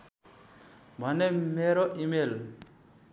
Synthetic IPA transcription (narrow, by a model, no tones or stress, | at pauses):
manɛmeɾoʔimel